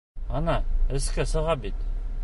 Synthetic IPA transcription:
ɑnɑɘ̆skæsɤ̆ʁɑbit̪

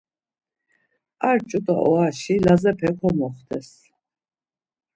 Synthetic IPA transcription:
aɾt͡ʃʼut̪ʼa̰ʔɔaʃilazɛpʰɛkʰɔmɔχd̪ʰɛs

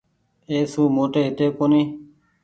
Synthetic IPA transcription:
eːsuːmoːʈeːɦɪt̪eːkoːniː

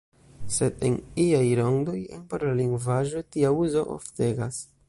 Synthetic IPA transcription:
se̞de̞niajɾoŋdo̞jḛnpoɾlaliŋɡvaʒo̞tiauzo̞ʔo̰fte̞ɡas

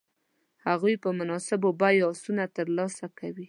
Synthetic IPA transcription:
haɣujpəmʊnɑsɪbobajɑsunat̪əɾlɑsakawi

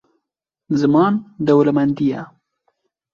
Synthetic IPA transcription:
zamɑnd̪awlamand̪ija

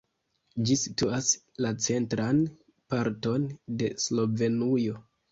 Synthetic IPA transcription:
d͡ʒisituas | lat͡se̞ntɾan | paɾto̞nde̞slo̞ve̞nujo̞

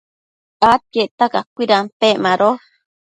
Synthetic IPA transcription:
at̪̚keʔt̪akakʷiɾanpeʔmãɾo

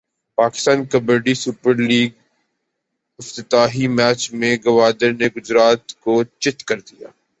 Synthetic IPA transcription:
paːkɪst̪aːnkɐbəɾɖisupəɾliːɡ̚ | ɪft̪ət̪aːɦimɛːt͡ʃmẽɡɐʋaːd̪əɾneɡʊd͡ʒɾaːt̪kot͡ʃɪt̪kɐɾd̪ijaː

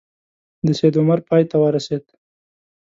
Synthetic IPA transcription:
d̪əsed̪ʊmaɾpɑjt̪awəɾased̪

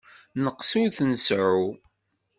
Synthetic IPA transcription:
nəqsuθənsəʕu

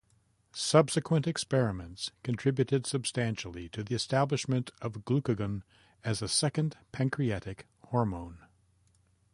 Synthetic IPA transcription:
sʌbsɨkʰwə̃ntɨkspɛɹɨmɨ̃ntskʰɨ̃ntʰɹ̥ɪbjʉɾɨd̥sɨb̥stæ̃nʃl̩ˠiɾɨðiɨstæblɨʃmɨ̃ntʰʌvɡlʉkɨɡə̃n | ɨzɨsɛkɨ̃npʰæ̃ŋkʰɹ̥iɛɾɨk | hɔɹmõʊ̃n

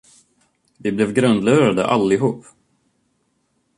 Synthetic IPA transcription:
vɪblɛvɡɾɵnd̪lʉːɾad̪ə̰ʔalːɪɦuːpː

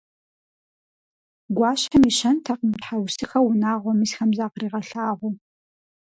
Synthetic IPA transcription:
ɡʷɑːɕɐmiɕɐntʰɐqəmtħawsʰɨxɐwʊnaːʁʷɔmɨsxɐmzaːqriːʁɐɬaːʁʷʊ

